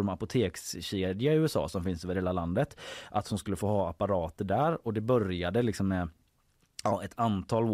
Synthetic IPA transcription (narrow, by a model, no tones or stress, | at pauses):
ɾmapʊt̪ʰeːksɕeːd̪ɪaɪʉːɛsɑ̰ːsɔmfɪnsɵːvəɾheːlaland̪ət̪ʔat̪hʊnskɵlːəfoːhɑːapːaɾɑːt̪əɖæɾɔd̪ɛbœɾjad̪əlɪksɔmːɛ | ɑɛt̪ʰant̪ʰɑːlː